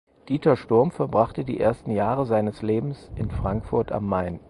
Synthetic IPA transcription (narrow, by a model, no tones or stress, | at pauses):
d̥iːtɐʃtʊɐmfɛɐbʁaχtədḭːʔḛɐstn̩jaːʁəzaɪnəsleːbm̩sʔɪnfʁ̥aŋkfʊɐta̰mːaɪn